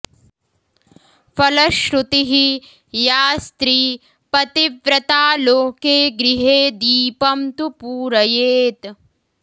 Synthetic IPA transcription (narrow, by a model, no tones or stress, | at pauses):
fɐlɐʃɾut̪iɦi | jaːst̪ɾiː | pɐt̪iʋɾɐt̪aːloːkeːɡɾiɦeːd̪iːpɐmt̪upuːɾɐjeːt̪